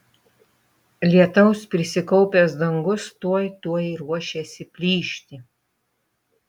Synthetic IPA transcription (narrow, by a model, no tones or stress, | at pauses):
lʲiɛt̪ɐʊspʲɾʲɪsʲɪkɔʊpʲesd̪ɐŋɡʊst̪uɔjt̪uɔjɾuɔʃʲesʲɪpʲlʲiːʃʲt̪ʲɪ